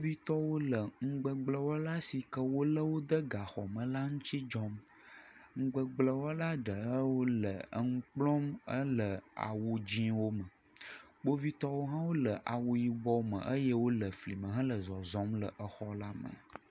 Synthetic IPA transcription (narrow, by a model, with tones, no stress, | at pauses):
ɡ͡bo˦vi˦t̪ɔ˦wo˦lə˨ŋ̩˦ɡ͡bə˨ɡ͡blə˦wɔ˦la˦si˨kə˦wo˦lə˦wo˦d̪ə˦ɡa˨xɔ˨mə̃˨la˦ŋũ˦t͡ʃi˦d͡ʒɔ˦m | ŋ̩˦ɡ͡bə˨ɡ͡blə˦wɔ˦la˦ɖə˨ə˦wo˦lə˨ə˦ŋ̩˦k͡plɔ˦mə˦lə˨a̰˨wo˨d͡ʑĩ˦wo˦mə˨ | k͡po˦vi˦t̪ɔ˦wo˦ɦã˦wo˦lə˨ʔa˨wo˨ji˨bɔ˦mə̰̃˨ʔə˦jə˦wo˦lə˨fli˨mə̃˨ɦã˦lə˨zɔ˨zɔ̃˨˦mlə˨ʔə˨xɔ˦la˦mə̰̃˨